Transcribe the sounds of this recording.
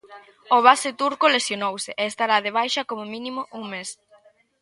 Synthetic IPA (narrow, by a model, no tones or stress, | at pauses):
oβ̞asɪt̪uɾkolesjonowsɪʔeːst̪aɾaðeβ̞ajʃɐkomʊmĩnimʊʔuŋmes